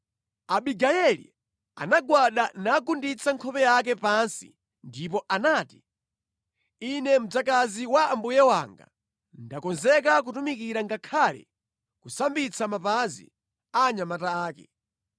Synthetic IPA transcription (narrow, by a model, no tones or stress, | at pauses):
aɓiɡajɛlḭ | a̰naɡwaɗanakundit͡sʰaŋkʰɔpɛjak̬ɛpansḭ | ndip̬ɔʔanaːti̥ | inɛm̩d͡zakaziwaːmbujɛwa̰ŋɡa̰ | ndakɔnzɛk̬ak̬utumikiɾaŋɡakʰalɛ̰ | kusambit͡sʰamapazḭ | aɲamataːkɛ̰